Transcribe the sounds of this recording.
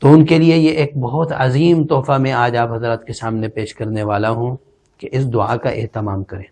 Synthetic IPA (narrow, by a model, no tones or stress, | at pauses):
t̪oʊnkeliejeʔeːk̚bɐɦʊt̪ɐziːmt̪ɔːfamẽaːd͡ʒaːpɦɐzɾaət̪kesaːmnepeːʃkɐɾneʋaːlaɦũ | keʔɪsd̪ʊa̰ːkaʔḛɦt̪ɪmaːmkɐɾẽː